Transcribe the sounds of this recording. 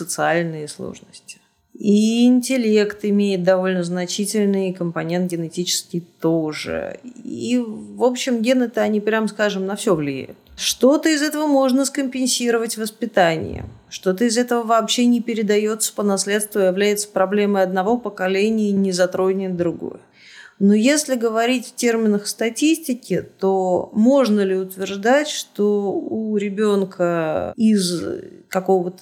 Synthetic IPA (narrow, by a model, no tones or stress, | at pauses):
sət̪sɨalʲnɨjəslˠo̰ʐnəsʲtʲɪ̥ | iɪnʲtʲɪlʲe̞kt̪ɪmʲejɪt̪̚d̪ɐvo̞lʲnəznɐt͡ɕitʲɪlʲnɨjkəmpɐnʲent̪̚ɡʲɪnɪtʲit͡ɕɪ̥skʲɪjt̪o̞ʐɨ̰ḭvopɕːɪmɡʲenət̪əɐnʲipɾʲamskaʐɨmnɐfsʲovlʲɪjæ̰jʊ̰t̪ʂt̪o̞t̪əɪzɛt̪əvəmo̞ʐnəskəmʲpʲɪnʲsʲiɾəvətʲvəspʲɪt̪anʲɪ̰jə̰ | ʂt̪o̞t̪əɪzɛt̪əvəvɐːpɕːenʲɪpʲɪɾʲɪd̪ɐjo̞t̪sə̥pənɐslʲe̞t̪st̪vʊjɪvlʲæjɪt̪sə̥pɾɐblʲeməjɐd̪nɐvo̞pəkɐlʲenʲɪjənʲɪzɐt̪ɾo̞nʲɪnd̪ɾʊɡo̰jə | nojesʲlʲɪɡəvɐɾʲitʲftʲermʲɪnəxst̪ɐtʲisʲtʲɪkʲɪt̪omo̞ʐnəlʲɪʊt̪vʲɪrʐd̪atʲʂt̪o̞uɾʲɪbʲo̞nkʰəɪzkɐko̞vət̪ə̥